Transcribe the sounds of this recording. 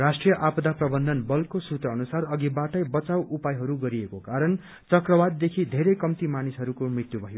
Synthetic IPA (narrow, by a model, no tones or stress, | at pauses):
rasʈrijʌʔapʌd̪aprʌbʌnd̪ʱʌnbʌlkosut̪ʌʌnusarʌɡibaʈʌjbʌt͡sawupajɦʌɾuɡʌɾiekokaɾʌn | t͡sʌkrʌbad̪ːekʰid̪ʱeɾʌjkʌmt̪imanisɦʌɾukomrit̪jubʱʌɦjo